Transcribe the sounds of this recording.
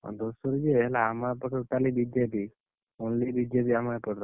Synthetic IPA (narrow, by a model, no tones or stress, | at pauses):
ɔ̰d̪osəɾd͡ʒeɛlaːmapəʈəʈalibid͡ʒepi | onlibid͡ʒepiamapəʈɾa